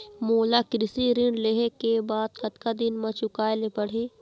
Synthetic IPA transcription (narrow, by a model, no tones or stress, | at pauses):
moːlakɾɪsiɾɪɳɖleɦekebaːd̪kɐt̪kad̪ɪnmãt͡ʃʊkaːelepɐɽ̤ĩː